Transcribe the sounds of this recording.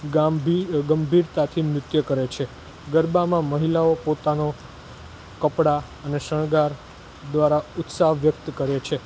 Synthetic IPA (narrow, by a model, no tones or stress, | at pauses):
ɡaɡəmbʱiɾt̪at̪ʰimɾʊt̪jəkəɾet͡ʃʰe | ɡəɾbamãməɦilaopot̪ano | kəpɽa | əneʃəɳ̃ɡaɾ | d̪ʋaɾaʊt̪saɦʋjək̚t̪kəɾet͡ʃʰe